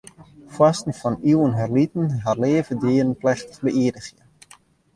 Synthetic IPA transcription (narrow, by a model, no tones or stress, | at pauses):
fwastn̩fɔniwənɦɛrlitən̩ɦaleːvədiərənplɛxtə̥χbəʔiədəxjə